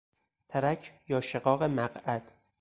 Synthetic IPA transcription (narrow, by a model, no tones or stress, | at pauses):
t̪ʰæɾækʰjɒːʃeɣɒːɣe̞mæɢæd̪̥